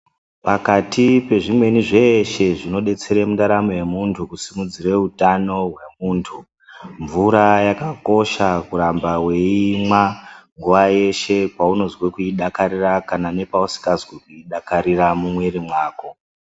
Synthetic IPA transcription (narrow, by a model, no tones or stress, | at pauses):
pakatipe̞ʐimwe̞niʐe̞ʃe̞ʐino̞ɗe̞t͡se̞ɾemundaɾamoje̞muntʰukusimud͡zire̞utano̞ɦwe̞muːntʰu | ɱvuɾajakako̞ʃakuɾambawe̞imwaŋɡuʋaje̞ʃe̞pauno̞zwekuiɗakaɾirakanane̞pausi̥kazwekuiɗakaɾiramumwe̞ɾimwaːko̞